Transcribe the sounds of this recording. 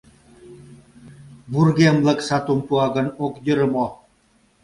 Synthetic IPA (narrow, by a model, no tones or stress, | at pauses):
burɡemlə̆ksat̪umpuɑɣə̆nokjəɾmo